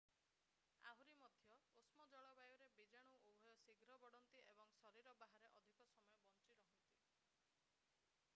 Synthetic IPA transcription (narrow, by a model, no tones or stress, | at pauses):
a̰ɦuɾimɔd̪ʱjɔosmɔd͡ʒɔɭɔbajɔɾebid͡ʒaɽ̃uʔubʱɔjɔsiɡɾɔbɔɽɔnt̪iʔebɔŋsɔɾiɾɔbaɦaɾeʔɔd̪ʱikɔsɔmɔjɔbɔnt͡ʃiɾɔɦɔnt̪i